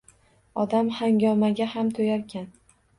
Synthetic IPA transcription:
ɒd̪amhaŋɡʲɒmaɡʲahamt̪ʰojaɾkʲʰan

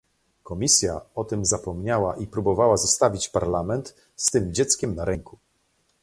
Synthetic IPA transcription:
kɔmʲisʲja̰ɔt̪ɘmzapɔmɲawaʔipɾubɔvawazɔst̪avʲit͡ɕpaɾlamɛnt̪ | st̪ɘmd͡ʑɛt̪skʲɛmnaɾɛŋku

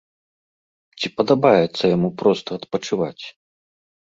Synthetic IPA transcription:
t͡sʲipɐd̪abajɛt̪sːɐjamupɾɔst̪ɐːt̪pɐt͡ʂɨva̰t͡sʲ

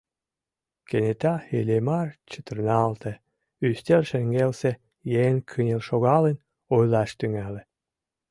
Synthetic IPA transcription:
kenet̪ɑelʲemɑrt͡ɕə̥t̪ə̆rnɑlt̪ʰĕ | yst̪elʃĕŋɡelse | jenkʰənʲelʃoɣɑlen | ojlɑʃt̪yŋælĕ

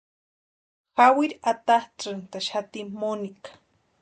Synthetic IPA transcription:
xawiɾat̪ahʈ͡ʂɨnt̪aʃat̪immonikḁ

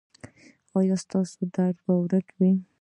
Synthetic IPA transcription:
ɑjɑst̪ɑsod̪aɖbawɾəkwi

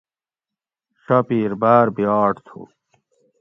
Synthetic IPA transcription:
ɕɐpiːɾbaːɾbijaːʈt̪ʰṵ

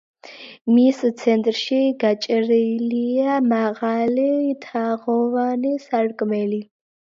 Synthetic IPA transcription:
mist̪t͡sʰɛnt̪ʼrʃiɡat͡ʃʼəɾɛliamaʁaliːt̪ʰaʁɔvanisarkʼmɛli

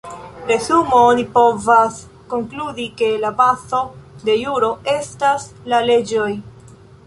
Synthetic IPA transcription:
pɾe̞zumoonipo̞vas | ko̞ŋkludike̞labaso̞de̞juɾo̞e̞staslale̞d͡ʒo̞j

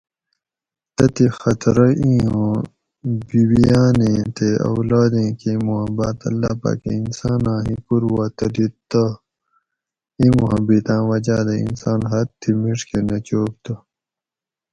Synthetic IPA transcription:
t̪ɐt̪ixɐt̪ɾɐĩːõ | biwijaːnẽːt̪eɐ̰wlaːd̪ẽːkemuɦɐbaːt̪ɐ̰lːa̰ːpa̰ːkḛinsaːnãːɦĩpuɾwaːt̪ɐd̪it̪ɐ | imuɦɐbit̪ãːwɐd͡ʑaːd̪ɐḭnsaːnɦɐt̪ʰːimiʂkenɐt͡ɕoːp̚t̪ɐ

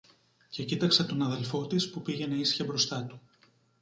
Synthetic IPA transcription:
ce̞cit̪ɐkset̪o̞nɐðe̞lfo̞t̪ispupiʝe̞neisçɐbɾo̞st̪ɐt̪u̥

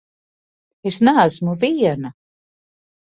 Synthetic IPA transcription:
esnæːsmuviɛna

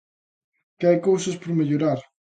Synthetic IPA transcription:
kɪajkowsɐspoɾmeʎoɾaɾ

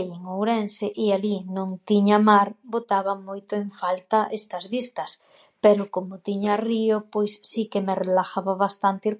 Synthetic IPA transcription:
ejeŋowɾɛnseʔɪalinõŋt̪iɲamaɾbot̪aβɐmojt̪ʊeɱfalt̪ɐʔest̪ɐzβist̪ɐs | pɛɾʊkomʊt̪iɲariopojsːikemerelaxaβaβast̪ant̪i

